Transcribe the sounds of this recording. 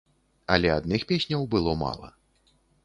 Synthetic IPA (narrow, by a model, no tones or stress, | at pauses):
ɐlʲɛad̪nɨxpʲesʲnʲɐwbɨlˠɔma̰lˠɐ̰